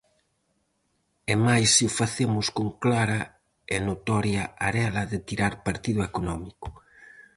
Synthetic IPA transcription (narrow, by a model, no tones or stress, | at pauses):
ɛmajsiʊfaθemʊskoŋklaɾɐ | enot̪ɔɾjaaɾɛlɐðɪt̪iɾaɾpaɾt̪iðʊekonɔmikʊ̥